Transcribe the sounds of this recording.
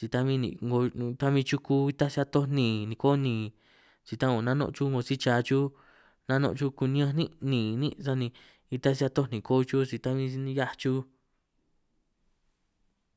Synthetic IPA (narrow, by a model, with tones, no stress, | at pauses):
t͡si˧t̪a˧mĩ˦nḭ̃˧˨ŋɡo˧t̪a˦mĩ˧t͡ʃu˦ku˦i˧t̪a˦sa˦t̪o˦nĩ˧˨nĩ˧ko˦nĩ˨˧˨ | t͡ʃi˧t̪ã˦o˨nã˦nõ̰˧ʔt͡ʃu˦ŋɡo˧si˦t͡ʃaː˨˧t͡ʃu˦ | nã˦˧nõ̰˧ʔt͡ʃu˦ku˧nĩ˦ã˧nĩ˦˧nĩ˨nĩ˦sa˧nĩ˧ | i˧t̪a˦si˧a˧t̪o˦˧nĩ˨ko˦t͡ʃu˦t͡si˧t̪a˦mĩ˧nĩ˧ja˦t͡ʃu˦